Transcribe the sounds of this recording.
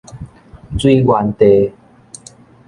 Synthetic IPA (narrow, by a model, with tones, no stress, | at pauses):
t͡swi˦ɡwa˨˧nt̪e˧